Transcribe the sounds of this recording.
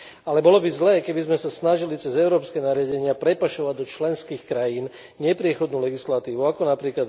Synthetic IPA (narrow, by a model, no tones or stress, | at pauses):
alɛbɔlɔbizlɛːkɛbizmɛsasnaʒilit͡sɛzɛʊɾɔːpskɛːnaɾɪaɟɛɲɪapɾɛpaʃɔʋaɟd̪ɔt͡ʃlɛnskiːxkɾajiːn | ɲɛpɾɪɛxɔd̪nuːlɛɡislat̪iːʋuakɔnapɾiːklad̪